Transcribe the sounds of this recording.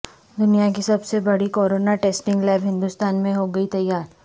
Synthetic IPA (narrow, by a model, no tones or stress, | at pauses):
d̪ʊnijak̬isɐbsebɐɽikoːɾoːnaʈeːsʈɪ̃ŋɡlɛːbɦɪ̃nd̪ust̪aːnmẽɦoɡɐit̪ɐjːaːɾ